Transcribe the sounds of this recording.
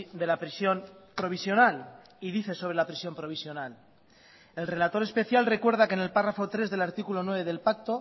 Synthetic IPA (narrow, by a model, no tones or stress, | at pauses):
d̪elapɾisjo̞npɾo̞β̞isjo̞nal | iðiθe̞soβe̞lapɾisjo̞mpɾo̞β̞isjo̞nal | e̞lre̞lat̪o̞ɾe̞spe̞θjalre̞kwe̞ɾð̞akene̞lparafot̪ɾe̞zðe̞laɾt̪ikulo̞nwe̞β̞e̞ðe̞lpak̚t̪o